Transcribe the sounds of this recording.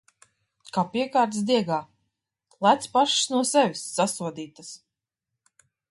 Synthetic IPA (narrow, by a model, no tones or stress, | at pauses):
kaːpiɛkaːɾt̪sd̪iɛɡaː | lˠæt̪spaʃsnuɔsɛvʲisːasuɔd̪iːt̪as